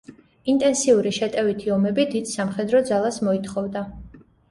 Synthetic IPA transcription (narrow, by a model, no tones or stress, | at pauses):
int̪ʼɛnsiuɾiʃɛt̪ʼɛvit̪ʰiɔmɛbid̪id̪samχɛd̪ɾɔd̪zalˠasmɔit̪ʰχɔvd̪a